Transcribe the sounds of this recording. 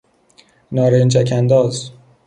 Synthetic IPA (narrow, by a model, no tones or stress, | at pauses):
nɒːɾent͡ʃʰækʰænd̪ɒːz